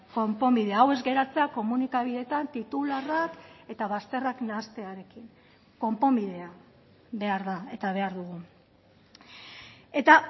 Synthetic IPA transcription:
ko̞mpo̞mbiðe̞aawe̞zɡe̞ɾat͡se̞ako̞munikaβ̞iðe̞t̪ant̪it̪ularake̞t̪aβast̪e̞raknast̪e̞aɾe̞kiŋ | ko̞mpo̞mbiðe̞a | βe̞aɾðae̞t̪aβ̞e̞aɾðuɣu | e̞t̪a

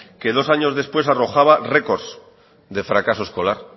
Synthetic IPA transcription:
ke̞ð̞o̞saɲo̞zðe̞spwe̞saro̞xaβare̞ko̞ɾs | d̪e̞fɾakaso̞esko̞laɾ

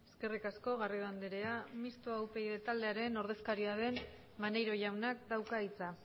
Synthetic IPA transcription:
e̞ske̞rikasko̞ɣariðoand̪eɾe̞amist̪oawpe̞jðet̪ald̪e̞aɾe̞no̞ɾð̞e̞skaɾiaðe̞n | manejɾo̞ʝawnakd̪awkait͡sa

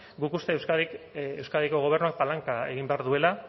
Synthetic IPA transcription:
ɡukust̪eːwskaðikewskaðiko̞ɣ̞o̞β̞e̞rnuak̚palaŋkae̞̰ɣ̞imbe̞aɾðue̞la

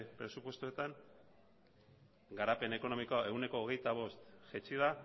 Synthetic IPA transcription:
pɾe̞supwe̞st̪ue̞t̪aŋ | ɡaɾape̞ne̞ko̞no̞mikoaʔe̞wne̞ko̞ːɣe̞jt̪aβ̞o̞st̪ʝet͡ʃiða

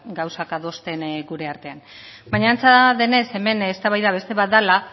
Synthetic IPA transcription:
ɡawsakaðo̞st̪e̞nɡuɾe̞aɾt̪e̞an | baɲaːnt͡saðe̞ne̞se̞me̞nest̪aβajðaβe̞st̪e̞βat̪̚d̪ala

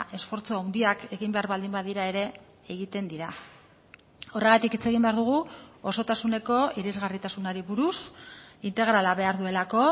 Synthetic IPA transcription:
ʔe̞sfo̞ɾt͡soawnd̪iake̞ɣimbe̞aɾβald̪imbaðiɾae̞ɾe̞ | eɣit̪e̞nd̪iɾa | o̞re̞ɣat̪ikit͡se̞ɣ̞imbe̞aɾðuɣ̞uo̞so̞t̪asune̞ko̞iɾizɣarit̪asunaɾiβuɾusint̪e̞ɣ̞ɾalaβe̞aɾðue̞lako̞

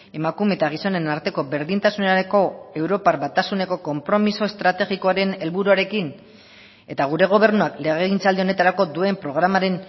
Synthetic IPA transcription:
e̞makume̞t̪aɣ̞iso̞ne̞naɾt̪e̞ko̞be̞ɾðint̪asuneaɾeko̞e̞wɾo̞paɾbat̪asune̞ko̞ko̞mpɾo̞miso̞est̪ɾat̪e̞ɣiko̞aɾe̞ne̞lβuɾuaɾe̞kin | e̞t̪aɣ̞uɾe̞ɣ̞o̞β̞e̞ɾnuakle̞ɣeɣint͡sald̪io̞ne̞t̪aɾako̞d̪ue̞mpɾo̞ɣ̞ɾamaɾe̞n

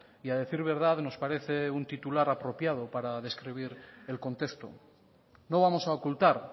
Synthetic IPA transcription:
iaðe̞θiɾβ̞e̞ɾð̞aðno̞spaɾe̞θe̞unt̪it̪ulaɾapɾo̞pjað̞opaɾaðe̞skɾiβ̞iɾe̞lko̞nt̪e̞kst̪o̰ | no̞β̞amo̞saokult̪aɾ

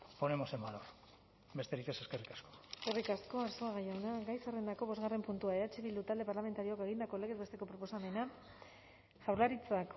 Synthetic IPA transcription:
ponemosemanor | be̞st̪e̞ɾike̞se̞skerikḁsko̥eske̞rikasko̞asoaɣajawnaɡajsarend̪ako̞βo̞zɣare̞mpunt̪uaeɾat͡ʃeβild̪ut̪ald̪e̞paɾlame̞nt̪aɾioake̞ɣ̞ind̪ako̞leɣezβe̞st̪e̞ko̞pɾo̞po̞same̞na | ʝawɾlaɾit͡sak

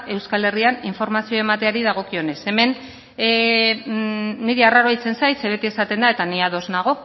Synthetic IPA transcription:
e̞wskale̞rianiɱfo̞ɾmasio̞e̞mat̪e̞aɾiðaɣ̞o̞kio̞ne̞se̞me̞n | iɾiaraɾoajt͡se̞nsajtseβe̞t̪ie̞sat̪e̞nd̪ae̞t̪aniaðo̞znaɣ̞o̞

